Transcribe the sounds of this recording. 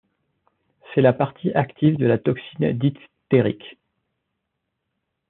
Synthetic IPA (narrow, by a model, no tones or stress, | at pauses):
sɛlapaʁt̪ʰiʔakt̪ʰivd̪əlat̪ɔksind̪it̪ | t̪eʁḭkʲ